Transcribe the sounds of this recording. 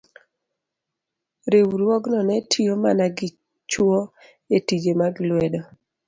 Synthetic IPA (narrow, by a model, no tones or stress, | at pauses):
ɾewɾwɔɡnɔnɛtʰijomanaɡɪ | t͡ʃwo | etid͡ʒemaɡlwɛdɔ